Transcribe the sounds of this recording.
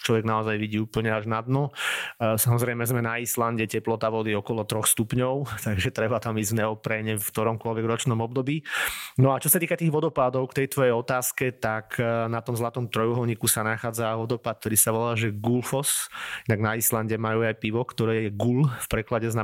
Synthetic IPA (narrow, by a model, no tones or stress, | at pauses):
t͡ʃlɔʋɛɡnaɔzajʋiɟiːuːpl̩ɲɛaʒnad̪nɔ | samɔzɾɛjmɛzmɛnaislanɟɛcɛplɔt̪aʋɔd̪iɔkɔlɔt̪ɾɔxst̪upɲɔʊt̪aɡʒɛt̪ɾɛbat̪amiznɛɔpɾɛɲɛfkt̪ɔɾɔmkʊɔlʋɛɡɾɔt͡ʃnɔmɔb̚d̪ɔbiːnɔat͡ʃɔsat̪iːkat̪iːɣʋɔd̪ɔpad̪ɔʊkt̪ɛjt̪ʋɔjɛjɔt̪aːskɛt̪akʰnat̪ɔmzlat̪ɔmt̪ɾɔjuɦɔlɲikusanaxaːd͡zaʋɔd̪ɔpat̪̚t̪ɔɾiːsaʋɔlaːʒɛɡulfɔsinaɡnaislanɟɛmajuːajpiʋɔkt̪ɔɾɛːjɛɡulfpɾɛklaɟɛzna